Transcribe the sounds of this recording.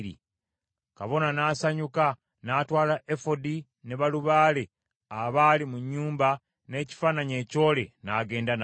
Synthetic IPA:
ɾḭ | kaβo̞nanaːsaɲuka | naːtwaːlaʔefodi | ne̞βaluβaːle̞ | aβaːlimuɲːuːmba | ne̞ːci̥faːnaɲe̞ːco̞ːle̞naɡe̞ːndan

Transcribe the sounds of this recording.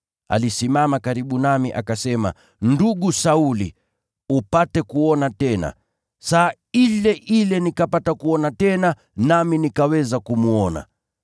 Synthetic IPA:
a̰lisimamakaɾiɓunamiʔakasɛma̰ | nduɠusaulḭ | upatɛkuɔnatɛna̰ | sa | ilɛʔilɛnikapatakuɔnatɛna | naminikawɛzakumuɔna̰

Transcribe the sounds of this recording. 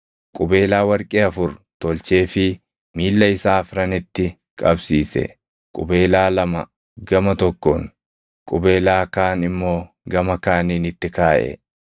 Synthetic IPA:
kʼʊbe̞ːlaːwɐɾkʼeːɐfʊɾt̪ɔlt͡ʃe̞ːfɪ | miːlːɐɪsaːfɾɐnɪt̪ːɪ | kʼɐbsiːsɛ̰ | kʼʊbe̞ːlaːlɐmɐ | ɡɐmɐt̪ɔkːɔŋ | kʼʊbe̞ːlaːkaːnɪmːo̞ː | ɡɐmɐkaːniːnɪt̪ːɪkaːʔɛ̰

